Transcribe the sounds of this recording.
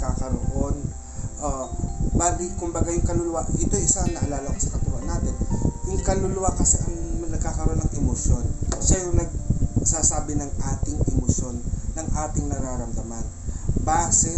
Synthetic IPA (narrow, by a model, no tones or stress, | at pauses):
kaːkɐɾoʔo̞n | ʔobaːɡikʊmbɐɡajʊŋkɐlʊlʊwaʔɪt̪osanːɐʔɐlaːlɐmɐsɐ̥kɐkuːhɐ̰naːt̪ɛnjʊŋkɐlʊlʊwakɐsɛʔɐŋnɐɡ̚kaːkɐɾoʔo̞nɐŋʔɛmoʃjo̞nʃɐjʊŋnɐɡ̚sasaːbɪnɐŋaːt̪ɪŋʔɛmoʃjo̞nːɐŋʔaːt̪ɪŋnɐɾaːɾɐmd̪ɐmanbasɛ